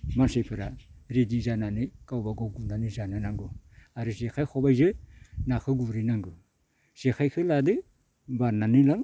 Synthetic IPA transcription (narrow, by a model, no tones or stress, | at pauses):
mansajpʰɯɾaɾedizananikawbaɡoɡunanizananaŋɡuaɾɯzekʰajkʰobajzɯnakʰɯɡuɾinaŋɡɯ | z̥ekʰajkʰɯladɯ | bananilaŋ